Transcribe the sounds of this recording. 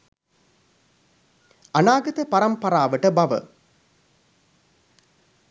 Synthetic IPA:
ɐnaːɡɐt̪əpɐɾɐmpɐɾaːʋəʈəbɐʋə̰

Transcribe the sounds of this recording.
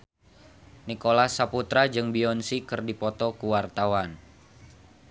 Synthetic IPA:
nikolasaput̪ɾad͡ʒɨŋbiɔnsikɨrdipɔt̪ɔkuwart̪awan

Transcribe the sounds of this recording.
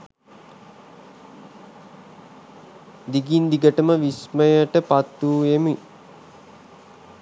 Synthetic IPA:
d̪iɡind̪iɡəʈəməʋisməjəʈəpat̪ːuːemi

